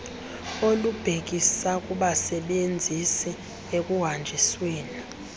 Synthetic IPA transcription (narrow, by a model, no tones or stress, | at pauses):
olub̥ʱek̬ʼisakʼuɓasɛɓend͡zʱisɛ | ek̬ʼuɦand͡ʒʱisweːni